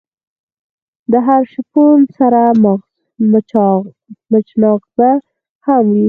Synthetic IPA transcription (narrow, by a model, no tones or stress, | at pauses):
d̪əɦaɾʃɪponsaɾam | m | mət͡ʃnɑqba | hamwi